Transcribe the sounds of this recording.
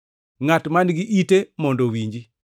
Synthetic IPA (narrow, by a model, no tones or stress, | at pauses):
ŋatmanɡiʔitemɔndɔwiɲd͡ʒi